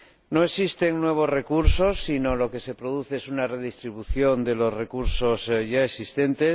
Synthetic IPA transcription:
no̞e̞sist̪e̞ŋnwe̞β̞o̞zre̞kuɾso̞sːino̞lo̞ke̞se̞pɾoð̞uθeesunare̞ðist̪ɾiβ̞uθjo̞nd̪e̞lo̞zre̞kuɾso̞zʝaesist̪e̞nt̪e̞

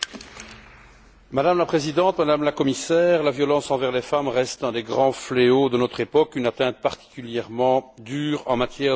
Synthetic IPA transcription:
mad̪amlapχezid̪ɑ̃t̪mad̪amlakɔmisɛːʁlavjɔlɑ̃sɑ̃vɛʁlɛfamʁɛst̪ɛ̃d̪eɡʁɑ̃fleod̪ənɔt̪χepɔkynat̪ɛ̃t̪̚paʁt̪i̥kʲyljɛʁmɑ̃d̪yːʁɑ̃mat̪jɛ

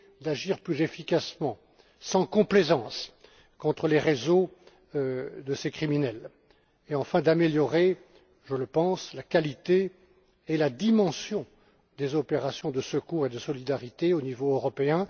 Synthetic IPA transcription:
d̪aʒiʁplyzefikʲasmɑ̃ | sɑ̃kɔ̃plezɑ̃s | kɔ̃t̪χəleʁezo | d̪əsekχiminɛl | eɑ̃fɛ̃d̪ameljɔʁe | ʒələpɑ̃slakalit̪eː | lad̪imɑ̃sjɔ̃ | d̪ezɔpeʁasjɔ̃d̪əsəkuʁed̪əsɔlid̪aʁit̪eonivoʁɔpeɛ̃

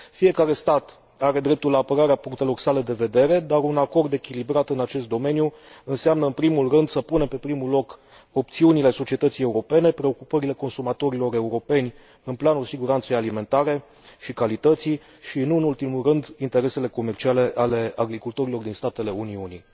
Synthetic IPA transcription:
fije̞kaɾe̞st̪at̪ | aɾe̞d̪ɾe̞p̚t̪ulːaːpəɾaɾeapuŋk̚t̪e̞lo̞rsale̞d̪e̞ve̞d̪e̞ɾe̞d̪aɾunako̞rd̪e̞kʲilibɾat̪ɨnat͡ʃe̞st̪̚d̪o̞me̞nju | ɨnseamnəɨnpɾimulrɨnd̪səpune̞mpe̞pɾimulo̞k | o̞p̚t̪siunile̞so̞t͡ʃie̞t̪ət̪sije̞uɾo̞pe̞ne̞pɾe̞o̞kupəɾile̞ko̞nsumat̪o̞ɾilo̞ɾe̞uɾo̞pe̞nʲ | ɨnplanusiɡuɾant̪sejalime̞nt̪aɾe̞ | ʃikalit̪ət̪si | ʃiɨnuɨnult̪imulrɨnd̪int̪e̞ɾe̞se̞le̞ko̞me̞rt͡ʃiale̞ʔale̞aɡɾikult̪oɾilo̞rd̪inst̪at̪e̞le̞uniunḭ

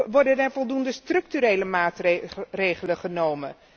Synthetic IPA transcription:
ʋɔɹdədɛvɔlˠdundəstrɵk̚tyɾejləmaːtrrejχələχənowmən

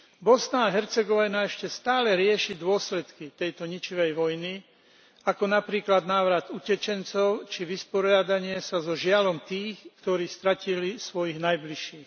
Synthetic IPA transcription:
bɔsnaːɦɛɾt͡sɛɡɔʋinaɛʃcɛst̪aːlɛɾɪɛʃid̪ʊɔslɛt̪kit̪ɛjt̪ɔɲit͡ʃiʋɛjʋɔjni | akɔnapɾiːklad̪naːʋɾad̪ucɛt͡ʃɛnt͡sɔʊt͡ʃiʋispɔɾɪad̪aɲɪɛsazɔʒɪalɔmt̪iːxkt̪ɔɾiːst̪ɾacilisʋɔjiɣnajbliʃiːx

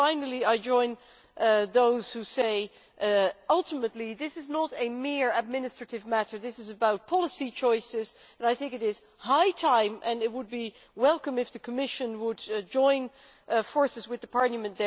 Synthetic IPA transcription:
ãɪ̃nl̩ˠiaɪd͡ʒɔ̃ɪ̃n | ðoʊz̥huseɪ | ʌlˠtəmətˡliðɪsɨznəɾɨmɪɹɨd̚mɪ̃nɨstɹ̥ɨɾɨvmæɾə˞ðɪsɨzɨbaʊt̚pʰɑlˠəsit͡ʃʰɔɪsɪz | ɨ̃naɪθɪ̃ŋkɨɾɪz̥ | haɪtʰãɪ̃mʔɨ̃nɨt̚wəd̚bi | wɛlˠkə̃mɨfðɨkʰəmɪʃɨ̃nwədd͡ʒɔ̃ɪ̃n | ʔfɔɹsɨzwɨðəpʰɑɹlˠəmɨ̃nðə

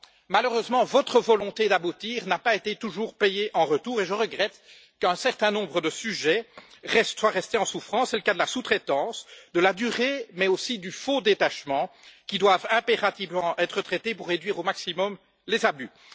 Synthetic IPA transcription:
maløʁøzmɑ̃vɔt̪χəvɔlɔ̃t̪ed̪abut̪iːʁnapaet̪et̪uʒuːʁpɛjeʔɑ̃ʁət̪uːʁeʒəʁəɡʁɛt̪ | kœ̃sɛʁt̪ɛ̃nɔ̃bʁəd̪əsyʒɛʁɛst̪swaʁɛst̪eɑ̃sufχɑ̃ssɛləkad̪əlasut̪χɛt̪ɑ̃ːsd̪əlad̪yʁemɛosid̪yfod̪et̪aʃmɑ̃kʲid̪wavɛ̃peʁat̪ivmɑ̃ʔɛt̪χət̪χɛt̪epuʁːed̪ɥiːʁomaksimɔm | lezaby

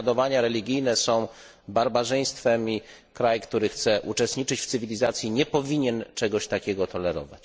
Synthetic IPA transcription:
d̪ɔvaɲaɾɛlʲiɡʲijnɛsɔ̃w̃ | baɾbaʐɛj̃st̪fɛmʲi | kɾajkt̪uɾɘxt̪sɛʔut͡ʂɛst̪ɲit͡ʂɘt͡ɕft̪ɘvʲilʲizat̪sʲjiɲɛpɔvʲiɲɛnt͡ʂɛɡɔɕt̪akʲɛɡɔt̪ɔlɛɾɔ̰va̰t͡ɕ

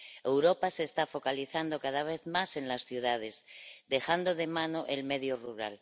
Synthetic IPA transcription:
e̞wɾopaseːst̪afo̞kaliθand̪okaðaβ̞eθmase̞nlasθjuðað̞ezd̪e̞xand̪oðe̞manoʔelmeðjoruɾa̰l

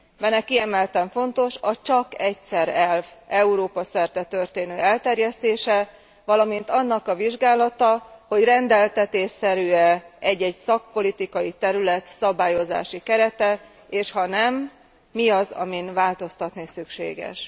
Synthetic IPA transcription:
bɛnɛkiɛmɛlt̪ɛɱfo̞nt̪o̞ʃɒt͡ʃɒkɛcsɛɾɛlvɛuɾoːpɒsɛrt̪ɛt̪ørt̪eːnøːɛlt̪ɛrjɛst̪eːʃɛ | vɒlɒmint̪ɒnːɒkɒviʒɡaːlɒt̪ɒho̞ɟrɛnd̪ɛlt̪ɛt̪eːʃsɛɾyːɛɛɟːɛɟsɒk̚po̞lit̪ikɒjit̪ɛɾylɛt̪sɒbaːjo̞za̰ːʃikɛɾɛt̪ɛ | eːʃhɒnɛmː | iɒzɒ̰minvaːlt̪o̞st̪ɒt̪nisykʃḛːɡɛ̰ʃ

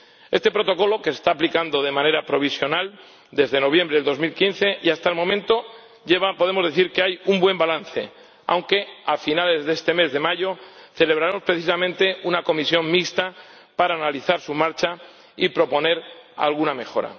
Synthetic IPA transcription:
est̪e̞pɾo̞t̪o̞ko̞lo̞ke̞se̥st̪aːplikand̪o̞ð̞e̞mãne̞ɾapɾo̞β̞isjo̞nal | d̪e̞zðe̞no̞β̞jẽ̞mbɾe̞ðlðo̞zmilkin̟θe̞ʔiast̪aelmõ̞mẽnt̪o̞ | ʝeβapo̞ðe̞mo̞zðeθiɾkeajumbwe̞mbalanθe̞̰ | a̰wŋke̞afinale̞zðe̞st̪e̞me̞zðe̞maʎo̞θe̞le̞β̞ɾaɾemo̞spɾeθisamẽ̞nt̪e̞unako̞misjo̞ŋmikst̪a | paɾaːnaliθaɾsumaɾt͡ʃa | ipɾo̞po̞ne̞ɾa̰lɣ̞uname̞xo̞ɾa̰

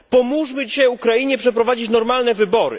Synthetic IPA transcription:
pɔmuʐmɘd͡ʑiɕajukɾajiɲɛpʂɛpɾɔvad͡ʑit͡ɕnɔɾmalnɛvɘbɔɾɘ̰

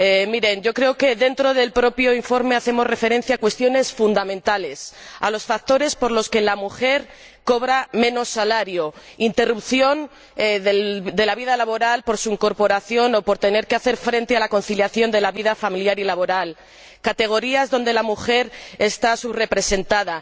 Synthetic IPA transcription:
emiɾe̞nɟ͡ʝo̞kɾe̞oke̞ðe̞nt̪ɾo̞ðe̞lpɾo̞pjo̞iɱfo̞ɾme̞aθe̞mo̞zre̞fe̞ɾe̞nθjakwe̞st̪jo̞ne̞sfund̪amẽ̞nt̪ale̞sa̰lo̞sfak̚t̪o̞ɾe̞spo̞ɾlo̞ske̞lamuxe̞ɾ | ko̞β̞ɾamẽ̞no̞sːalaɾjo̞int̪e̞rupθjo̞n | eðed̪e̞laβiðalaβo̞ɾalpo̞ɾsuiŋko̞ɾpo̞ɾaθjo̞no̞po̞ɾt̪e̞ne̞ɾkeaθe̞ɾfɾe̞nt̪ealako̞nθiljaθjo̞nd̪e̞laβiðafamiljaɾilaβo̞ɾal | kat̪e̞ɣ̞o̞ɾiazðo̞nd̪e̞lamuxe̞ɾest̪asuβre̞pɾe̞se̞nt̪aða

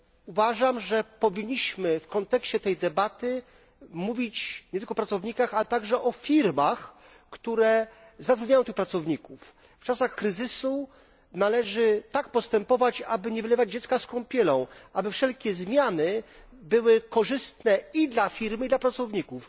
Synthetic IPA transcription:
uvaʐamʐɛpɔvʲiɲːiɕmɘfkɔnt̪ɛkɕt͡ɕɛt̪ɛjd̪ɛbat̪ɘ | muvʲit͡ɕɲɛt̪ɘlkɔpɾat̪sɔvɲikaxalɛt̪aɡʐɛʔɔfʲiɾmax | kt̪uɾɛ | zat̪ɾud̪ɲajɔ̃t̪ɘxpɾat̪sɔvɲikuf | ft͡ʂasaxkɾɘzɘsu | nalɛʐɘt̪ak̚pɔst̪ɛmpɔvat͡ɕabɘɲɛvɘlɛvad͡ʑd͡ʑɛt̪skaskɔ̃w̃mpʲjɛlɔ̃w̃ʔabɘfʂɛlkʲɛzmʲjanɘbɘwɘkɔʐɘst̪nɛid̪lafʲiɾmid̪lapɾat̪sɔvɲikuf

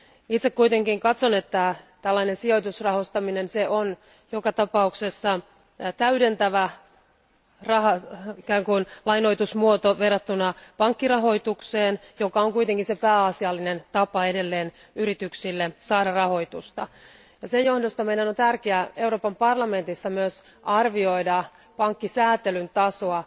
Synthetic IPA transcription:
it̪sekkuit̪eŋkiŋkɑt̪sonet̪ːæt̪ælːɑinensio̞jt̪usrɑhost̪ɑminenseʔon | jokɑt̪ɑpɑuksesːɑ | t̪æydent̪æʋæ | rɑɦɑikæːŋkunlɑjno̞it̪usmuot̪oʋerːɑt̪ːunɑpɑŋkːirɑɦo̞it̪ukseːnjokɑoŋkuijt̪eŋkinsepæːɑsiɑlːinent̪ɑpɑede̞lːeːn | yɾit̪yksilːesɑːɾɑrɑho̞it̪ust̪ɑ | jɑsejjohdost̪ɑmeidænont̪ærkeæe̞uroːpɑmpɑrlɑme̞nt̪isːɑmyøs | ɑrʋioidɑ | pɑŋkːisæːt̪elynt̪ɑsoɑ

